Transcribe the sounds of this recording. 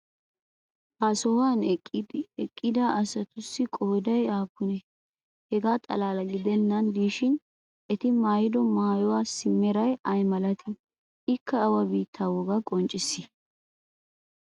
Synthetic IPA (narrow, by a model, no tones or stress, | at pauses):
ʔasɔwaːnɛkʼːɪd̪ɪɛkʼːɪd̪aʔɐsɐt̪ʊsːɪkʼoːd̪ɐjaːpːʊnɛ | hɛɡaːt̪ʼɐ̰laːlɐɡɪd̪ɛnːɐnd̪iːʃɪn | ɛt̪ɪmaːjɪd̪ɔmaːjɔwaːsɪmːɛɾɐjʔɐjmɐlɐt̪ʰɪ | ɪkːɐːwɐbiːt̪ʰːaːwɔɡɐkʼɔnt͡ʃʼɪsːɪ